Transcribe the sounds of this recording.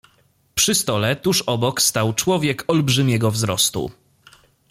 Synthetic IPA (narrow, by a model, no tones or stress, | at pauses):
pʂɘst̪ɔlɛt̪uʂɔbɔkst̪awt͡ʂwɔvʲjɛkɔlbʐɘmʲjɛɡɔvzɾɔst̪ṵ